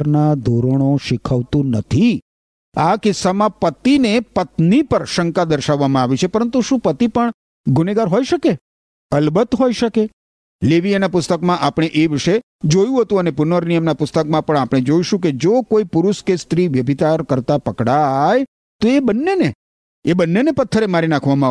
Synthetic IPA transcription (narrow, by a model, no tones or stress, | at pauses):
ɾnad̪ʱoɾoɽ̃oʃɪkʰəʋt̪ũnət̪ʰi | akɪsːamãpət̪inepət̪nipəɾʃəŋkad̪əɾʃaʋːamãaʋit͡ʃʰepəɾənt̪uʃũpət̪ipəɳ | ɡʊneɡaɾɦojʃəke | əlbət̪ɦojʃəke | leʋianapʊst̪əkmãʔapɽ̃eʔeʋɪʃe | d͡ʒojũɦət̪ũənepʊnəɾnijəmnapʊst̪əkmãpəɳapɽ̃ed͡ʒoiʃũk̬ed͡ʒokoipʊɾʊʃkest̪ɾiʋjəbʱit̪aɾkəɾt̪apəkɽaj | t̪oebənːene | ebənːenepət̪ʰːəɾemaɾinãkʰʋamãa